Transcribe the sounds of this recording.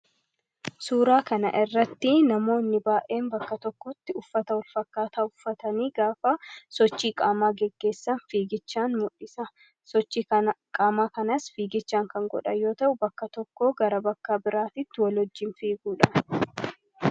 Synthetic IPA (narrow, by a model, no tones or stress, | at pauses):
suːɾaːkɐnɐ̰ʔɪrːɐt̪ːɪnɐmo̞ːnːɪbaːʔe̞ːmbɐkːɐt̪ɔkːɔt̪ːɪʊfːɐt̪ɐwɔlfɐkːaːt̪aːʊfːɐt̪ɐniːɡaːfɐsɔt͡ʃːiːkʼaːmaːɡɛɡːe̞ːsːɐnfiːɡɪt͡ʃːaːnmʊᶑːɪsɐ | sɔt͡ʃːikʼaːmaːkɐnɐsfiːɡɪt͡ʃːaːŋkɐŋɡɔ̰ᶑɐjo̞ːt̪ɐʔʊbɐkːɐt̪ɔkːo̞ːɡɐɾɐbɐkːaːbɪɾaːt̪ɪt̪ːɪwɐlhɔd͡ʒːɪnfiːɡuːᶑɐʔ